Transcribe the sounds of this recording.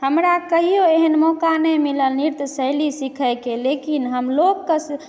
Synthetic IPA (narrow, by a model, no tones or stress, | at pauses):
həmɾakəɦijoeɦənmɔkanɛmiləlniɾt̪səɪlisikʰəkelekinɦəmlokːəs